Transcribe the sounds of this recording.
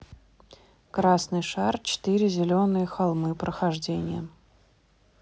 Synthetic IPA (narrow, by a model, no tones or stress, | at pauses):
kɾasnɨjʂart͡ɕɪ̥t̪iɾʲɪzʲɪlʲonɨjəxalˠmɨpɾəxɐʐdʲenʲɪ̰jə